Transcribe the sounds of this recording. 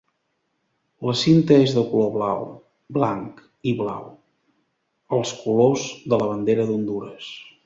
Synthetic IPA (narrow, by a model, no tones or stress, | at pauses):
ləsint̪əezðəkuloβlaw | blaŋk | iβla̰w | əlˠskulozðələβənd̪eɾəðund̪uɾəs